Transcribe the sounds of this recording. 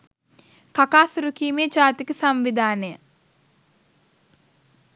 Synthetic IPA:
kakaːsɾukiːmeːt͡ʃaːt̪ikəsamʋid̪ʱaːnəjə

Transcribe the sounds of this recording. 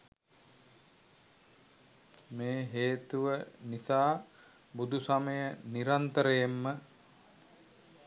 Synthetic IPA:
meːɦeːt̪uʋənisaː | bud̪ʱusaməjəniɾant̪əɾəjemːə

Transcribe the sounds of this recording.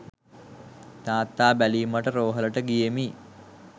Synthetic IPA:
t̪aːt̪ːaːbæliːməʈəɾoːɦələʈəɡijemi

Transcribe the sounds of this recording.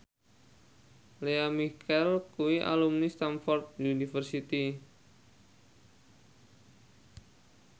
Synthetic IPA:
leamikʰɛlkuiʔa̰lumnist̪anfɔrt̪̚unifərsit̪i

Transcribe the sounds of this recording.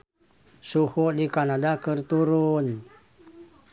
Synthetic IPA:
suhuʔdikanadakərt̪uɾun

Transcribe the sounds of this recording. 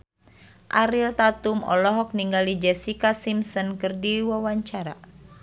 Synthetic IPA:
ʔaɾilt̪at̪umɔ̰lɔɦɔk̚niŋɡalid͡ʒɛsikasimsɔnkɨrdiwawaɲt͡ʃaɾa̰

